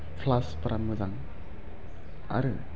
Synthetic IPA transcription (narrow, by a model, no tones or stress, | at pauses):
pʰlaspɐɾamːɯzaŋ | a̰ɾɯ